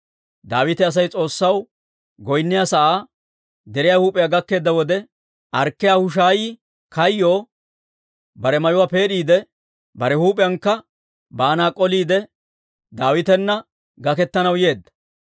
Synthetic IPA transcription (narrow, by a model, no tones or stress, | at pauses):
d̪aːwɪt̪ɛɐs̬ɐjt͡sʼo̞ːsːɐw | ɡɔjnːɪjaːsɐʔaː | d̪ɛɾɪjaːhuːpʼɪjaːɡɐkːe̞ːd̪ːɐwɔd̪ɛ | ʔɐɾkːɪjaːhʊʃ̬aːjiː | kɐjːo̞ː | bɐɾɛmɐjʊwaːpe̞ːɗiːd̪ɛ | bɐɾɛhuːpʼɪjɐnkːɐ | baːnaːkʼɔliːd̪ɛ | d̪aːwɪt̪ɛnːɐ | ɡɐkɛt̪ːɐnɐwje̞ːd̪ːɐ̥